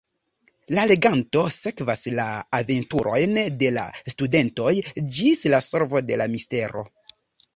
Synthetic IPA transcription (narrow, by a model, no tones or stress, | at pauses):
lale̞ɡanto̞se̞kvaslaːve̞ntuɾʔo̞jnde̞la̰stude̞nto̞jd͡ʒislasoɾvo̞de̞lamiste̞ɾo̞̰